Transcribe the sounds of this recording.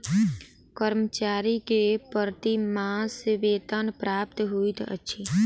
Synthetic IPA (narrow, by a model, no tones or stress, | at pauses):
kəɾmət͡ʃaːɾikepəɾt̪imãsɪʋeːt̪ənpɾaːp̚t̪ɦuit̪ə̰tːʃʰiː